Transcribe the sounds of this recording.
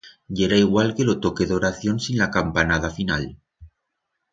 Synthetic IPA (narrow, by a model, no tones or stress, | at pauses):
ɟ͡ʝeɾaiɣwalke̞lo̞t̪o̞ke̞ðo̞ɾaθjo̞nsinlakampanað̞afina̰l